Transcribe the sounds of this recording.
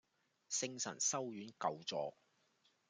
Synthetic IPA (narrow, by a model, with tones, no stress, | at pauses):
sɪ˥˧ŋsɐ̰˨˩nsɐ˥wjyː˨˥nkɐ˨wt͡sɔ̰ː˨k̚